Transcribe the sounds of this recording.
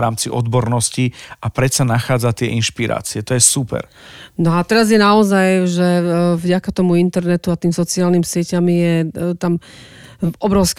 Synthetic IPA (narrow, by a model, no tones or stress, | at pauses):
ɾaːmt͡siʔɔ̰d̪bɔɾnɔsciapɾɛt͡sanaxaːd͡zat̪ɪɛʔinʃpiɾa̰ːt͡siɛt̪ɔjɛsupɛ̰ɾ | nɔat̪ɛɾazjɛnaɔzajʒɛvɟakat̪ɔmuint̪ɛɾnɛt̪uat̪iːmsɔt͡siaːlnimsɪɛcamijɛt̪am | ɔbɾɔʊsk